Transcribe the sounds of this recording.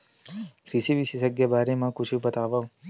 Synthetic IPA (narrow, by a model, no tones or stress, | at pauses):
kɾisiʋisisəɡjebaːɾemãkut͡ʃʰubət̪aːʋaʋ